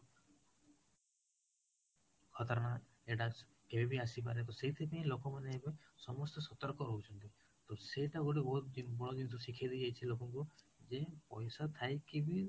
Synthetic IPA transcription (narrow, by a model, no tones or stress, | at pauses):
kʰɔt̪ɔɾna | eʈa | kebʱibʱiasipaɾet̪ɔseɦit̪ʰipeĩlokɔmaneːbesɔmɔst̪ɔsɔt̪ɔɾkɔɾɔɦut͡ʃʰɔnt̪i | t̪ɔseʈaɡoʈibɔɦut̪d̪inbɔɭɔd̪int̪ʰusikʰad̪id͡ʒajt͡ʃʰilokɔŋku | d͡ʒepɔjsat̪ʰajkibi